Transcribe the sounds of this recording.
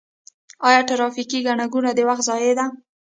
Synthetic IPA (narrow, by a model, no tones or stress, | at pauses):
ɑjɑʈaɾɑfikiɡaɳaɡunad̪əwaxt̪zɑjed̪a